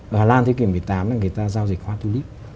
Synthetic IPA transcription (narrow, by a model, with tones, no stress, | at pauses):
ʔəː˨˩haː˨˩laː˧nt̪ʰi˨˦ki˧˩˨mɨ˨˩əjt̪aː˨˦mlaː˨˧˩ŋ˨˩əjt̪aː˧zaː˧wzi˨˩k̚hwaː˨˦t̪ʰu˧li˦˥k̚